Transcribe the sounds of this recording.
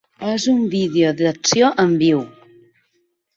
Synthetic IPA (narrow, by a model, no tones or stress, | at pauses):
ezumbiðeoðəksjoʔəmbiw